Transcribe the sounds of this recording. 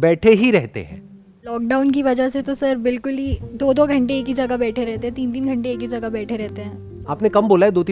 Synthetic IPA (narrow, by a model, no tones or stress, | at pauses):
bɛːʈʰeɦiɾɛɦt̪ḛɦɛ̰̃ː | lɔːk̚ɖaːʊnk̬iʋɐd͡ʒaset̪osɐɾbɪlkʊlid̪oːd̪oːɡʱɐ̃ɳʈeeːkɦid͡ʒɐɡabɛːʈʰeɾɛɦt̪eɦɛ̃t̪iːnt̪iːnɡʱɐ̃ɳʈeːkid͡ʒɐɡabɛːʈʰeɾɛɦt̪eɦɛ̃ː | aːpnekɐmboːlaɦɛd̪oːt̪iː